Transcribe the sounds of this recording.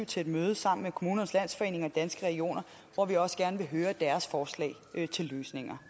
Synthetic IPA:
ʊt͡sʰe̝ed̥møːð̞ˠəsɑ̈m̰n̩mekʰo̝muːnɐnəslæn̰sfɒ̽e̝̰ːne̝ŋɐd̥ænsɡ̥əʁɛɡ̥io̝̰ːnɐ | ʋɒʋiɒ̽səɡ̥æɐnəʋe̝ɦøːɐd̥æɐsfɒːslɛ̰ːt͡sʰe̝lːøːsne̝ŋɐ

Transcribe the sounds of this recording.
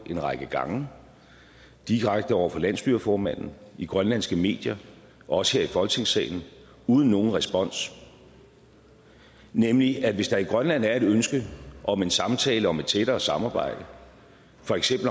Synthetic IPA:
ʔe̝nʁɑ̈ɪɡ̥əɡ̥ɑ̈ŋə | d̥iʁaɡ̥̚d̥əɒʊ̰ɐfɒ̽læn̰sb̥yɐfɒːmæn̰n̩iɡ̥ʁɶnlæn̰sɡ̥əme̝̰ːd̥jɐ | ɒ̽sə̥he̝ɐifɒ̽lɡ̥t͡sʰe̝ŋsɛ̰ːɪn̩ | uːð̞ˠn̩ːo̝ːn̩ʁɛsb̥ɒ̽n̰s | nemliæʋe̝sd̥ɑ̈iɡ̥ʁɶnlæn̰æɐæɾønsɡ̥əʔɒ̽me̝nsɑ̈mt͡sʰɛ̰ːləɒ̽me̝d̥t͡sʰed̥ɐːsɑ̈mɑ̈ːb̥ɑ̈ɪ̰d̥ə | fɒ̽eɡ̥sem̰bl̩

